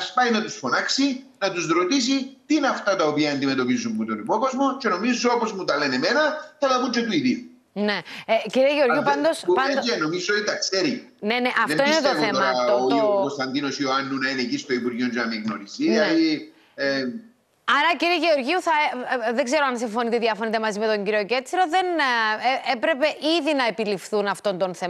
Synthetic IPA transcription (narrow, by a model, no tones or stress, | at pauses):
ɐspɐjnɐt̪usfo̞nɐksinɐt̪uzɾo̞t̪is̬it̪iineɐft̪ɐt̪ɐopiɐend̪ime̞t̪o̞pizumːut̪o̞nipo̞ko̞zmo̞t͡ʃe̞no̞mizːoopozmut̪ɐle̞nemenɐθɐðɐpunt͡ʃet̪uiðiu | neciɾieʝeoɾʝipɐnd̪ospɐeno̞mizot̪it̪ɐkseɾi | ne̞neʔɐfðemtoinet̪oθemɐt̪oot̪ikonst̪ɐnd̪inosioɐnːunɐinecist̪oipuɾʝond͡ʒeɐmiɣnoɾiziɐi | e | ɐɾɐciɾieʝeo̞ɾʝiuθɐeðeɡze̞ɾoɐnsiɱfo̞nit̪eðiɐfonit̪e̞mɐzime̞t̪o̞ɲɟiɾio̞ce̞t͡siɾo̞ðe̞n | epɾe̞pe̞ʔiðinɐepilifθunɐft̪o̞nt̪onθe